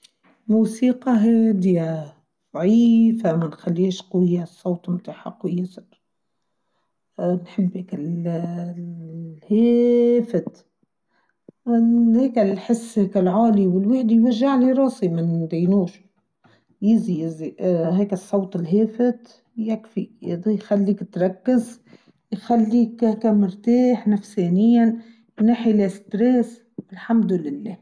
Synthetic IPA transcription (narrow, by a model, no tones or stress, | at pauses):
muːsiːqɑɦeːd̪ɪja | ð̥ˤʕiːfamanxalːiːʃqɪjːasˤːowt̪ˤmʊt̪aħɑqːwɪjɪsɾ | nħɪbːekɪl | heːfɪt̪ | heːkɪlħɪsːheːkalʕaːliwɪlwaħd̪ijwaʒːaʕliɾˤɑːsimɪnd̪ejnuːʃ | jɪzijɪziɦeːkɪsˤːɑwt̪ˤɪlɦeːfɪt̪ | jakfijxalːiːkt̪ɾˤɑkːɪz | jxalːiːkːkamʊɾt̪eːħnafseːnɪjːan | naħilst̪ɾeːs | ɪlħamd̪lɪlːeː